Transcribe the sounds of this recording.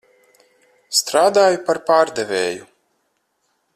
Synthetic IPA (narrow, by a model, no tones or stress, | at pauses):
st̪ɾaːd̪aːjupaɾpaːɾd̪evʲeːju